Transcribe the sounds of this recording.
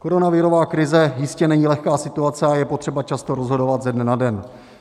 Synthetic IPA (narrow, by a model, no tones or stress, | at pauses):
ko̞ɾo̞navɪɾo̞vaːkɾɪzɛjɪscɛnɛɲiːlɛxkaːsɪt̪uat͡sɛajɛpo̞t̪r̝̥ɛbat͡ʃast̪o̞ɾo̞zɦo̞do̞vat̪zɛdnɛnadɛn